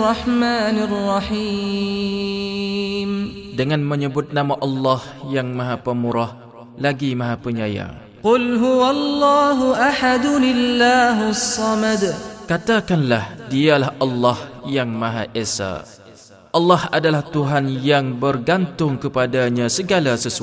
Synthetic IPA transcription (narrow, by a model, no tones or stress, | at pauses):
rɑħmaːnɪrːɑħiː | mdəŋanməɲəbʊt̪̚namaʔɑlːɑhjaŋmaɦapəmuɾah | laɡimaɦapəɲaja̰ | qʊlɦʊwalːɑːɦuʔaħad̪ʊlɪlːaːɦʊsːɑmad̪kat̪akanlahdialahʔɑlːɑhjaŋmãɦaʔesa̰ | ʔɑlːɑhadalaht̪uɦanjaŋbərɡant̪ʊŋkəpadaɲãsəɡalasəsu